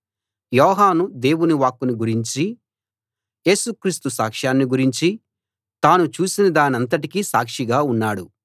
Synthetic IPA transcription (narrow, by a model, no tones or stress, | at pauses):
jɔːɦaːnud̪e̞ːwuniʋaːkːuniɡuɾiɲt͡ʃi | je̞ːsukɾiːst̪usaːkʂaːnːiɡuɾiɲt͡ʃi | t̪aːnut͡ʃuːsinɐd̪aːniɐnt̪ɐʈikisaːkʂiɡaːunːaːɽu